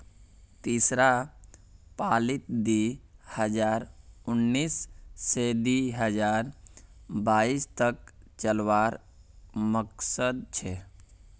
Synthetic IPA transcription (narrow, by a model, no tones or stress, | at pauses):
t̪iːsɾa | paːlit̪d̪ihəd͡ʒaːɾʊnːiːsːed̪iɦəd͡ʒaːɾ | baːist̪ək̚t͡ʃəlʋaːɾ | məksəd̪̚t͡ʃʰe